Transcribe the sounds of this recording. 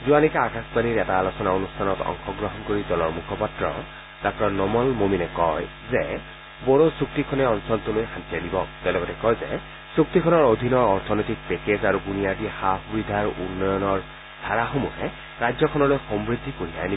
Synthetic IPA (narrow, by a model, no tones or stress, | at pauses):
zuanikaːkaspaniɹɛtaːlosɔnaonustʰanɔtɔ̰ŋxʰɔɡɹɔɦɔnkoɹidɔlɔɹmukʰɔpatɹɔ̰ | d̥akɹɔnɔmɔlmominɛkɔj | zɛ | bɔɹosuk̚tikʰɔnɛɔnsɔltulojxãntiadibɔtɛlɔɡɔtɛkɔjzɛ̰ | suk̚tikʰɔnɔɹod̪ʱinɔɹɔɹtʰɔnɔjtik̚pɛkezaɹuɡunijadixaɦubid̪ʱaɹṵnːɔjɔnɔɹ | d̥ʱaɹaxomuɦɛ | ɹad͡ʒjɔkʰɔnɔlojxɔmbɹid̪ʱikuɹijajni